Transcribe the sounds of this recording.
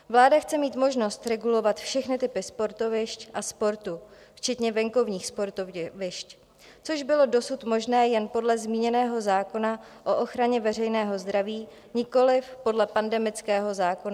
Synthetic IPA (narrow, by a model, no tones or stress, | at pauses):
vlaːdaxt͡sɛmiːt̪mo̞ʒno̞st̪ɾɛɡulo̞vat̪fʃɛxnɪt̪ɪpɪspo̞ɾt̪o̞vɪʃcʔaspo̞ɾt̪u | ft͡ʃɛt̪ɲɛvɛŋko̞vɲiːxspoɾt̪ovɪʃc | t͡so̞ʒbɪlo̞do̞sut̪mo̞ʒnɛːjɛnpo̞dlɛzmiːɲɛnɛːɦo̞zaːko̞naʔo̞ʔo̞xɾaɲɛvɛr̝ɛjnɛːɦo̞zd̪ɾaviː | ɲɪko̞lɪfpo̞dlɛpandɛmɪt͡skɛːɦo̞zaːko̞na